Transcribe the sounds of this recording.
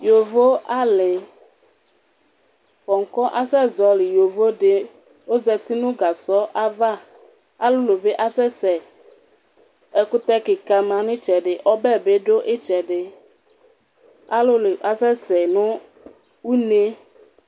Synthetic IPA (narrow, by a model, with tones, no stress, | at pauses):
jo˨vo˦a˦lɪ˨ | kɔ˨ŋ̩˨kɔ˦ʔa˦sɛ˦zɔ˨lɪ˨jo˨vo˦ɖɪ˦ | o˦zɛ˨t̪ɪ˦nʊ̃˦ɡa˨sɔ˦ʔa˦va˦ | a˦lʊ˦lo˨be˦ʔa˦sɛ˦sɛ˨ | ɛ˨kʊ˦t̪ɛ˦kɪ˨ka˨mã˨nɪ̃˦t͡ʃɛ˨ɖɪ˨ʔɔ˦bɛ˦˨be˦ɖo˦ʔɪ˦t͡ʃɛ˨ɖɪ˦ | a˦lʊ˦lʔa˨sɛ˦sɛ˨nʊ̃˦ | wu˦ne˦